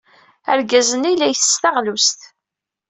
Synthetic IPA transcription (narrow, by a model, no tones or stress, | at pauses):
æ̰ɾɡæzənijlːæjθə̥st̪aʁlust̪